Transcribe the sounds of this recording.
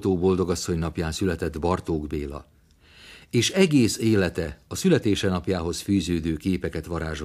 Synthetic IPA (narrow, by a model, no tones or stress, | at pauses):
t̪oːbo̞ld̪o̞ɡɒsːo̞ɲnɒpjaːnsylɛt̪ɛd̪bɒrt̪oːɡbeːlɒ̰ | eːʃɛɡeːseːlɛt̪ɛɒsylɛt̪eːʃɛnɒpjaːɦo̞sfyːzøːd̪øːkeːpɛkɛt̪ʋɒɾaːʒo